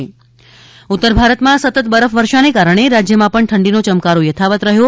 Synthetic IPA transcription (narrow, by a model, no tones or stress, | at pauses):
ut̪ːəɾbʱaɾət̪mãsət̪ət̪bəɾəfʋəɾʃanekaɾəɳ̃eɾad͡ʒjəmãpəɳʈʰəɳɖinot͡ʃəmkaɾojət̪ʰaʋət̪ɾəɦjo